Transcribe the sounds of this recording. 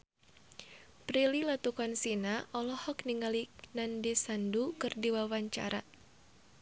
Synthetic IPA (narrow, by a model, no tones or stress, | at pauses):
pɾililat̪ukansinaʔɔlɔhɔkniŋalinandisandukɨrdiwawaɲt͡ʃa̰ɾa̰